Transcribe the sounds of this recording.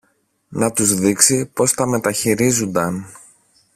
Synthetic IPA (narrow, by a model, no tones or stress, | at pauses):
nɐt̪uzðiksipo̞st̪ɐme̞t̪ɐçiɾizund̪ɐn